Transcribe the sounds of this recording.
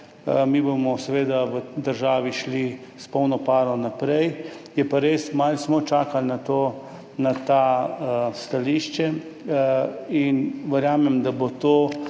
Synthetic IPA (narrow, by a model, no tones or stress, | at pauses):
mibomɔsɛʋeːd̪aʋəd̪əɾʒaːʋiʃlispɔwnɔpaːɾnɔnapɾɛjjɛpaɾeːsmalsmɔt͡ʃaːkalnat̪o | nat̪a | st̪aliːʃt͡ʃɛ | inʋəɾjaːmɛmd̪abot̪oː